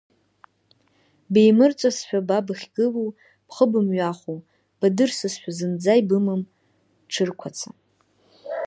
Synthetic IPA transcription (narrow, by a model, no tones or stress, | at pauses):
be̞jmɨrt͡sʷʼasħʷᶣababɨχʲɡɨlu | b̥χəbɨmɥaχʷu | b̥adɨrsɨsħʷᶣazɨnd͡zajbɨmɨm | ʈ͡ʂʰɨrkʷʰat͡sʰa